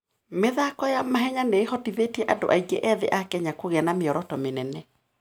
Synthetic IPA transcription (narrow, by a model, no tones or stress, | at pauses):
meðakɔjamaɦɛɲaneːhɔtiðetiɛʔado̰ʔaiɡeʔɛðḛʔakɛɲakoɣɛnameɔɾɔtɔmenɛnɛ